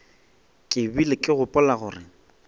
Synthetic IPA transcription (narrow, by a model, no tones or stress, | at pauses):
kʼɪbilɪkʼɪɣʊpʼɔlaɣʊːrɪ